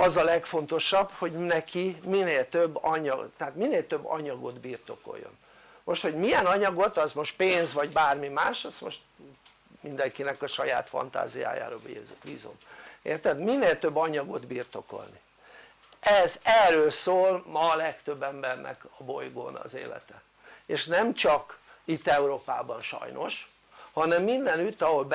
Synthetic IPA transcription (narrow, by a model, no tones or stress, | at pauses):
ɒzɒlɛkfo̞nt̪o̞ʃɒbho̞ɟnɛkʰimineːlt̪øbːɒɲɒt̪ɛɦaːt̪mineːlt̪ø̞bːɒ̰ɲɒɡo̞̰d̪biːrt̪o̞̰ko̞̰jːo̞̰n | mo̞ʃt̪ho̞ɟmijɛnɒɲɒɡo̞t̪ɒzmo̞ʃt̪̚peːnzʋɒɟbaːrmimaːʃɒsmo̰ʃt̪ | mind̪ɛŋkinɛkɒʃɒja̰ːt̪fɒ̰nt̪a̰ːzija̰ːja̰ːɾɒbiːzo̰mḛːrt̪ɛd̪minːeːlt̪ø̞bːɒɲɒɡo̞d̪biːrt̪o̞ko̞̰lni | ɛzɛrøːlsoːlmɒlɛkt̪ø̞bːɛmbɛrnʔɛ̰kɒbo̞jɡo̰ːnɒ̰zḛːlɛ̰t̪ɛ | eʃnɛmt͡ʃɒkit̪ːɛuɾoːpa̰ːbɒnʃɒ̰jnʔo̞ʃ | hɒnɛmːind̪ɛnyt̪ːɒɦo̞lb